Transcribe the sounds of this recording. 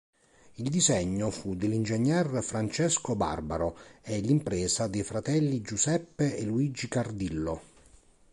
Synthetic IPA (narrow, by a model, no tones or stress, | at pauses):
ild̪izɛɲːofud̪elːind͡ʒeɲːɛrfɾant͡ʃɛskoba̰rbaɾoɛlːimpɾɛːsad̪ejfɾat̪ɛlːid͡ʒusɛpːeeluid͡ʒikard̪ilːo